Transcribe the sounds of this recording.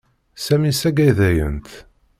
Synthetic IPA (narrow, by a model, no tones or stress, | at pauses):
sæmisæɡæjðæjə̰nt̪